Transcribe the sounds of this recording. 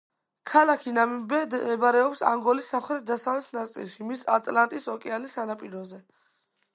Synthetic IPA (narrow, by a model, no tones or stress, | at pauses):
kʰalakʰinamibɛd̪ɛbaɾɛɔpsa̰ŋɡɔlisːamχɾɛt̪̚ʰd̪asavlɛt̪ʰnat̪sʼḭlˠʃimisa̰t̪ʼlant̪ʼisɔkʼɛalisanapʼiɾɔzɛ